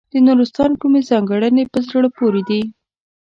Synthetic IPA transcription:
d̪̥ənuɾʊst̪ɑnkumezɑŋɡaɽənepəzɾəɽopoɾed̪i

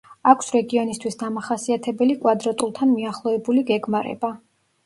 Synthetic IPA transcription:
akʰsɾɛɡiɔnist̪ʰwisd̪amaχasiat̪ʰɛbɛlikʼwad̪ɾat̪ʼulˠt̪ʰanmiaχlˠɔɛbuliɡɛɡmaɾɛ̰ba

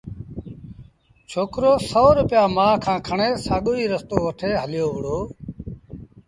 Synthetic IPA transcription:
t͡ʃʰoːkɾoːsɔːɾʊpɪjaːmãːkʰãːkʰəɳeːsaːɠoːiːɾəst̪oːʋəʈʰeːɦəlɪjoːʋəɽoː

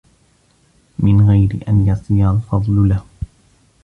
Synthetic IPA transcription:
mɪnɣajɾɪ̰ʔanjɑsˤiːɾalfɑd̪ˤlʊlah

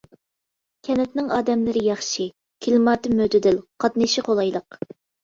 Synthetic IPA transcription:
kʲʰɛnɛt̪nɪŋɑːd̪ɛmlɪɾɪjɑχʃi | kʲʰilmɑːt̪ɨmød̪ɪd̪ɪlqʰɑt̪nɨʃɪqʰolˠɑjlˠəq

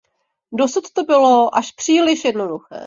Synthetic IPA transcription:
do̞sut̪t̪obɪlo̞ʔaʃpr̝̥iːlɪʃjɛdnoduxɛ̰ː

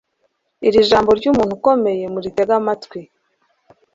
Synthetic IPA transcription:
iɾiʒaːmbo̞ɾɟuːmuːn̥huko̞me̞je̞muɾiteɡamatkwi

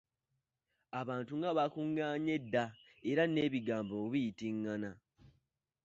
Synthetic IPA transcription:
aβaːntuŋɡaβakuŋɡaːɲe̞dːa | e̞ɾane̞ːβiɡaːmbouβijitiŋːana

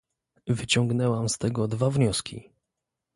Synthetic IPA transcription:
vɘt͡ɕɔŋɡnɛwamst̪ɛɡɔd̪vavɲɔskʲḭ

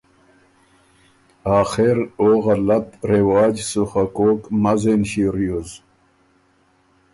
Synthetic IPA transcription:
aːxeɾoːɣɐlɐt̪ɾewaːd͡ʑsuxakoːkmɐzenɕiɾjuz

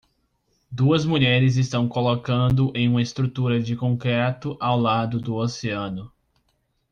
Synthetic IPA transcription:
d̪uɐzmuʎɛɾɪzɪst̪ɐ̃w̃kolokɐ̃nd̪ʊʔẽj̃ũmɐɪst̪ɾut̪uɾɐd͡ʒɪkõŋkɾɛt̪ʊʔawlad̪ʊd̪ʊoseɐ̃nʊ

